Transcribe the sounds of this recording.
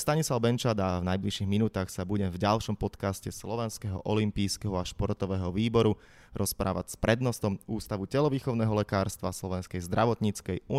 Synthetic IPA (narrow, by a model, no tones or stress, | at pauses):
st̪aɲislaʊbɛnt͡ʃad̪avnajbliʃiɣminuːt̪aːxsabuɟɛmvɟalʃɔmpɔt̪kascɛslɔʋɛnskɛɦɔ̰ʔɔlimpiːskɛɦɔaʃpɔɾt̪ɔʋɛːɦɔʋiːbɔɾu | ɾɔspɾʔa̰ːʋa̰cspɾɛd̪nɔst̪ɔmuːst̪aʋucɛlɔʋiːxɔʊnɛːɦɔlɛkaːɾst̪ʋaslɔʋɛnskɛjzd̪ɾaʋɔt̪ɲit͡skɛju